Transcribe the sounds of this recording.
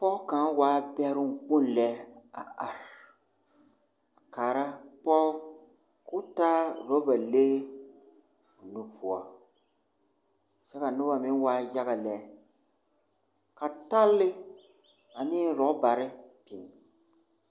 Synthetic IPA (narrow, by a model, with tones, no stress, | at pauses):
pɔ˦ka˨˦waː˦bɛ˦ɾʊ˦nk͡pu˦nlɛ˦a̰˨a˨ɾ | a˨kaː˨ɾa˦pɔ˦ | kʊ˦taː˦ɾɔ˦ba˨le˦˨ | nu˦pu˨a˨ | t͡ʃɛ˦ka˨nʊ˦ba˨mɪ˦n˦waː˦d͡ʒa˦ɣa˨lɛ˨ | ka˨ta˦lːɪ˦ | a˨niː˦ɾɔ˨ʔba˨ɾɪ˦pi˨n˨